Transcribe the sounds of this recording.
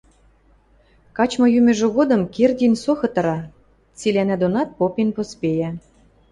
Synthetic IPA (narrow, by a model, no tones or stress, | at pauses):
kɑt͡ɕmɤ̆jymʲɘ̆ʒɘ̆ɣod̪ɤ̆mkerd̪ʲinsoxɤ̆t̪ɤ̆ɾɑ | t͡silʲænæd̪onɑt̪̚popenpospejæ